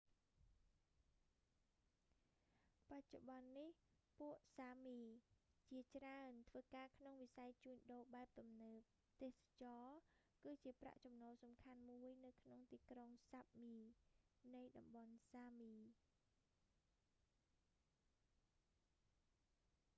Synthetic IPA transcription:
pac̚t͡ɕoɓɑnːihpuəʔsaːmiːt͡ɕiət͡ɕraənt̪ʰʋəːkaːkʰnoŋʋisajt͡ɕuːɲɗoːɓaɛp̚t̪umnəːp̚ | t̪eːhsḁt͡ɕɑː | kɨːt͡ɕiəpra̰ʔt͡ɕɑmnoːlsɑmkʰanmuəjnɨwkʰnoŋt̪iːkroŋsap̚miːnɨjɗɑmɓɑnsaːmiː

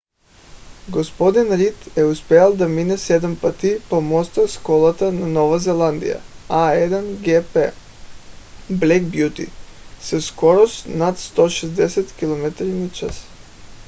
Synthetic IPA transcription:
ɡospod̪inɾit̪ɛuspɛalˠd̪aminɛsɛd̪ampat̪ipomɔst̪askolˠat̪ananɔʋazɛlˠand̪ḭja̰aɛd̪anɡɛpɛ | blɛkbjut̪ḭsɛskoɾɔst̪nat̪st̪oʃɛzd̪ɛsɛt̪kilˠomɛt̪ɾinat͡ʃas

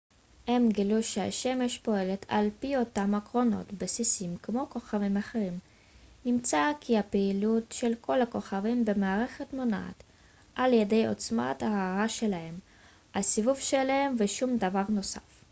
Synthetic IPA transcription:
hemɡiluʃea̰ʃe̞meʃpo̞e̞le̞t̪ʰa̰lpio̞tamakʁo̞no̞̰tbesisimkmo̞ko̞χavimaχe̞ʁim | nimt͡sakʰihapeilutʃe̞lkʰo̞lako̞χavimbe̞maːʁe̞χe̞tmo̞naa̰t̪ | ʔaljede̞jo̞̰t͡sma̰t̪haaʁaʃe̞lahe̞m | hasivuvʃelahe̞mveʃumd̪avaʁno̞sa̰f

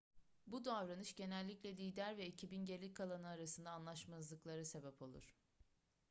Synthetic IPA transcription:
bud̪avɾanɯʃɟe̞nɛlʲːiclʲɛlʲijd̪æɾvɛicʰibinɟeɾlʲickʰːalˠanɯaɾasɯnd̪aːnlˠaʃmazlˠɯklˠaɾɯse̞bɛpʰo̞lˠṵɾ̝̥

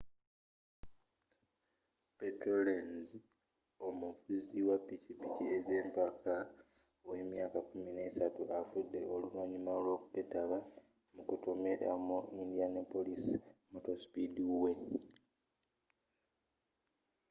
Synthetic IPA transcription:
petɾolenzi | o̞muvuziwapːicipicieze̞ːmpakʰaowe̞mjaːkakumine̞ːsatuʔafudːe̞o̞lulwaːɲimalwo̞ːkupe̞taβa | mukuto̞me̞ɾa̰muindijanepːo̞lisimoto̞spiduwe̞

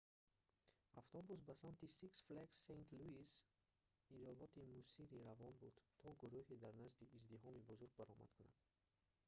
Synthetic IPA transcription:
aft̪ʰɔbus̬basamt̪ʰisiksfleksejnt̪ʰluis | id̪ɔlɔt̪ʰimusiɾiɾavɔnbud̪̥t̪ʰɔɡuɾuhed̪aɾnazd̪iːzd̪iɦɔmibuzuɾɡ̚baɾɔma̰d̪̚kʰuna̰d̪̥

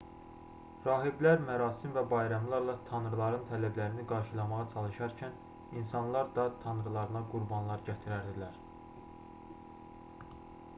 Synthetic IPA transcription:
ɾɑːɦiblæɾmæɾɑːsimvæbɑjɾɑmlˠɑɾlˠɑt̪ʰɑnɾlˠɑɾɯnt̪ʰælæblæɾiniɡɑɾʃɯlˠɑmɑʁɑt͡ʃʰɑlˠɯʃɑɾcʰæn | insɑnlˠɑɾd̪ɑt̪ʰɑnɾlˠɑɾɯnɑɡuɾbɑnlˠɑɾɟæt̪ʰiɾæɾd̪ilæɾ

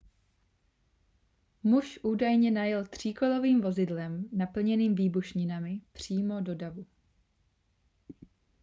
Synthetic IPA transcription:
muʃʔuːdajɲɛnajɛlt̪r̝̥iːko̞lo̞viːmvo̞zɪdlɛmnapl̩ɲɛniːmviːbuʃɲɪnamɪpr̝̥iːmo̞do̞davu

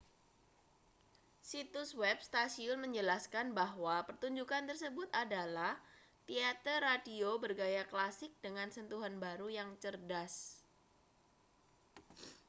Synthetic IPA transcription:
sit̪ʊswɛp̚st̪asiʊnməɲd͡ʒəlaskanbaɦwapərt̪uɲd͡ʒukant̪ərsəbʊt̪adalaht̪iat̪ərːadiobərɡajaklasɪk̚dəŋansənt̪uɦanbaɾujaŋt͡ʃərdas

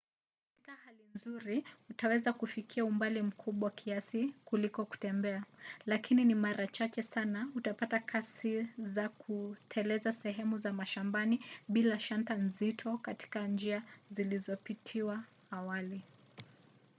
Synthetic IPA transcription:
kkatikahalinzuɾiutawɛzakufikʰiaumbalim̩kʰuɓawakʰiasikulikɔku̥tɛmbɛalakininimaɾʔat͡ʃat͡ʃɛsanautapatakʰasizakʰutʰɛlɛzasɛɦɛmuzamaʃambaniɓilaʃantanzitʰɔkati̥kand͡ʒiazilizɔpitʰiwaː | wali

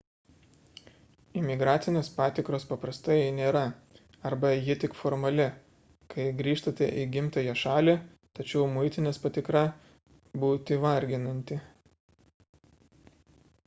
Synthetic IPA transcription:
ɪmʲɪɡɾɑːt̪sʲɪnʲeːspɑːt̪ʲɪkɾoːspɐpɾɐst̪ɐɪnʲeːɾɐ | ɐɾbɐjɪt̪ʲɪkfɔɾmɐlʲɪ | kʰɐɪɡɾʲiːʃt̪ɐt̪ʲɛ̰ʔiɡʲɪmʲt̪ɐjɛʃɑːlʲiː | t̪ɐt͡ʃʲɛʊmʊɪt̪ʲɪnʲeːspɐt̪ʲɪkɾɐ | buːt̪ʲɪʋɐɾʲɡʲɪnɐnʲt̪ʲɪ

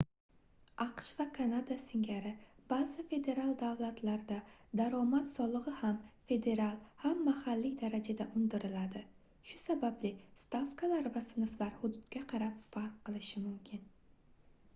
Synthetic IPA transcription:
ɑqʃvakʰanad̪asɪŋɡʲaɾɪb̥azɪfe̞d̪e̞ɾalˠd̪awlˠat̪ʰlaɾd̪ad̪aɾɒmat̪sɒlˠɨʁɨhamfe̞d̪e̞ɾalˠhamːahalːɪd̪aɾad͡ʒad̪aʔʊnd̪ɪɾɪlad̪ɪ | ʃʊsabablɪst̪afkʰalaɾvasɪnɨflaɾhʊd̪ʊd̪ɡʲaqʰɑɾapfaɾqʰːɨlˠɪʃɪmʊmkʲʰɪn

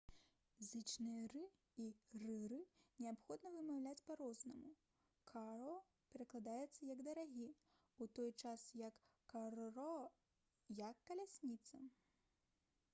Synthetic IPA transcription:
zɨt͡ʂnɨjɐrɨ | irɨrɨnʲɛapxɔd̪nɐvɨmawlʲat͡sʲpaɾɔznɐmu | kʰaɾɔ | pʲɛɾɐklˠad̪ajɛt̪sːɐjɐɡd̪ɐɾaɣʲi | ut̪ɔjt͡ʂasjɐkː | arrɔ | jɐkːɐlʲasʲnʲit̪sɐ

